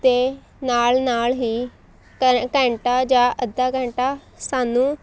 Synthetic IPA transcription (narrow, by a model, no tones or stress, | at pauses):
t̪eː | naːlnaːlɦiː | kəkɛ̃ːɳʈaːd͡ʒaːʔəd̪aːkɛ̃ːɳʈaː | saːnũː